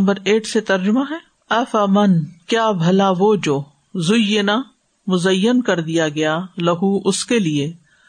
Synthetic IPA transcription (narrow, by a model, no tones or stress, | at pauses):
mbəɾeːʈset̪ɐɾd͡ʒʊmaɦɛː | ɐfɐmɐnkjaːbʱɐlaʋoːd͡ʒoː | zʊjɪna | mʊzɐjːənkɐɾd̪ijaɡɐjalɐɦuʔʊskelie